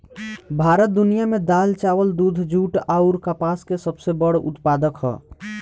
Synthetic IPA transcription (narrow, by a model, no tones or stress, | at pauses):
bʱaɾət̪̚d̪unijamed̪alt͡ʃawəld̪ud̪ʱd͡ʒuʈaʊɾkəpaskesəbsebəɽṵt̪pad̪əkɦɔ̰